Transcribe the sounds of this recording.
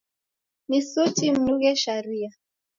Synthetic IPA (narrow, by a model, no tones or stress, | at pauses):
misutim̩nuɣɛʃaɾia